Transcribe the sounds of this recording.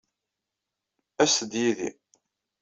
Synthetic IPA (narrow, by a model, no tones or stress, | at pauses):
æsəd̪jiðḭ